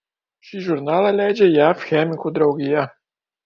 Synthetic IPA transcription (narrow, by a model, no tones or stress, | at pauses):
ʃiʒuɾnaːlalʲɛd͡ʒɛjafxɛmikud̪ɾawɡija